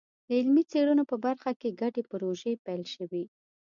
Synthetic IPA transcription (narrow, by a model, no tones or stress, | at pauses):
d̪əɪlmit͡seɽunopəbaɾxakeɡaʈepəɾoʒepɛjlʃəwi